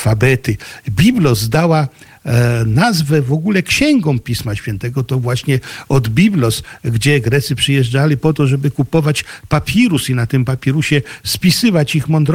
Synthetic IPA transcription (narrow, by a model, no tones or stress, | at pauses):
fabɛt̪ɘbʲiblɔzd̪awa | nazvɛvɔɡulɛkɕɛŋɡɔ̃w̃pʲismaɕfʲjɛnt̪ɛɡɔt̪ɔvwaɕɲɛɔd̪bʲiblɔsɡd͡ʑɛɡɾɛt̪sɘpʂɘjɛʐd͡ʐalʲɘpɔt̪ɔʐɛbɘkupɔvat͡ɕpapʲiɾusinat̪ɘmpapʲjɛɾuɕɛspʲisɘvat͡ɕixmɔnd̪ɾ